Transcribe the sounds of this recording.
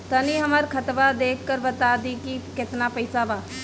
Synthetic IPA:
t̪ɐniɦɐmaɾkʰət̪ʋad̪eːkʰːəɾbɐt̪aːd̪ikikɪt̪napəɪsaʋaː

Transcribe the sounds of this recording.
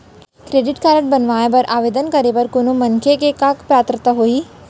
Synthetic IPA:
kɾeːɖɪʈkaːɾə̃ɳʈ̚bɐnʋaːepɐɾʔaːʋeːd̪ənkɐɾepɐɾkonomɐ̃ŋkʰekekakpɾaːt̪ɾət̪əɦoːiː

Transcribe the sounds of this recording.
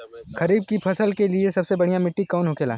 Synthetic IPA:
kʰɐɾiːb̚kipʰɐsəlkeliesɐbsebɐɽijamɪʈːikaːnɦʊkeːla̰ː

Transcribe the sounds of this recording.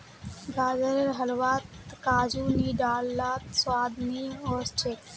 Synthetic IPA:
ɡaːd͡ʒəɾeɾɦɐlwaːt̪kaːd͡ʒuːniːɖaːlːaːt̪swaːd̪niɔːɾsʈʰeːk

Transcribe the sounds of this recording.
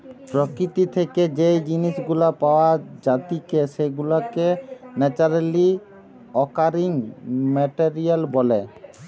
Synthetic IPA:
pɾokɾit̪it̪ʰeked͡ʑejd͡ʑiniʃɡulapaoad͡ʑat̪ikeʃeɡulakenɛt͡ɕaɾali | ɔkaɾiŋmɛʈeɾialbole

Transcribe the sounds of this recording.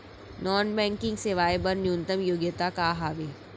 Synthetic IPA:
nɔːnbɛ̃ːŋkɪ̃ŋɡseʋaːjbɐɾnjũnt̪əmjoːɡjət̪akaɦaːʋe

